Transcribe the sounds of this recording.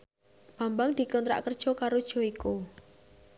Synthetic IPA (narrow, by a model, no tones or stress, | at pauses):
b̥a̤mbaŋd̪̥i̤kɔnt̪ɾa̰ʔkərd̥ʒ̥ɔ̤kaɾod̥ʒ̥ɔ̤iku